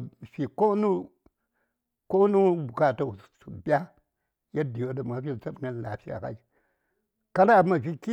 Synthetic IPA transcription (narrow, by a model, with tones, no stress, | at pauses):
ʃi˨ko˦nu˦ | ko˦nu˦bu˨ka˦˨ta˨su˨bʲa˦ | ja˦di˨wo˦da˨m˨a˨˦fi˦n˨t͡sa˦tŋa˦n˨la̰˨fi˦ja̰˨ka̰˦i˨ | ka˦la˦˨˦ma˨fi˦ki˦